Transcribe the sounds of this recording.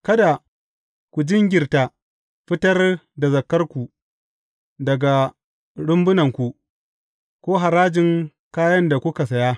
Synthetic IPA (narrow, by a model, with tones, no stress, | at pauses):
kɐ˦da˨ | kʷu˨d͡ʒɪ˦ŋɡʲɪ˨rta˨ | ɸɪ˦tɐ˦rda˨zɐ˨kːɐ˦rkʷu˨ | dɐ˨ɡa˨ | ɽʊ˦mbʊ˦nɐ˨ŋkʷu˨ | kʷoː˦ɦa˨ɾaː˦d͡ʒɪ˨ŋ | kaː˦jɐ˦nda˨kʷʊ˦ka˨sɐ˨jaː˦